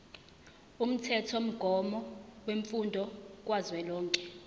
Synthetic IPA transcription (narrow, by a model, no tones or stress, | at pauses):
um̩tʰɛtʰom̩ɡ̥ʱɔmɔweɱfundʱɔk̬wazwɛlɔːŋkʼɛ